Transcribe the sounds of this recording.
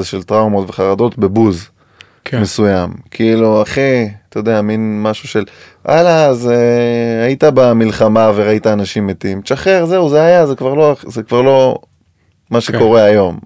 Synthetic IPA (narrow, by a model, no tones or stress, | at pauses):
zeʃelt̪ʁaumot̪veχaʁad̪o̞t̪bebuz | kme̞sujamkʰiiluaχet̪ajod̪eaminmaʃuʃel | ʔalazeait̪abamilχamaveʁaitaːnaʃimːet̪imʃaχeʁzeuzeajazekvaʁlo̞zekvaʁlo̞ | maʃeko̞ʁeajo̞m